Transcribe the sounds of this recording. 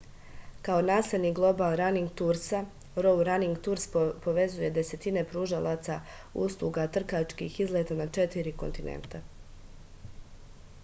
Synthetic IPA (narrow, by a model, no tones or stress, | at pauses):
kaonaːsled̪niɡlˠo̞balˠɾaniŋɡ̚t̪uɾsa | ɾo̞wɾaniŋɡt̪uɾspo̞ʋe̞zuje̞d̪e̞se̞t̪ine̞pɾuʒalˠat̪sa | ṵslˠuɡat̪r̩kat͡ʃkḭxizlet̪anat͡ʃe̞t̪iɾiko̞nt̪inʔḛnt̪a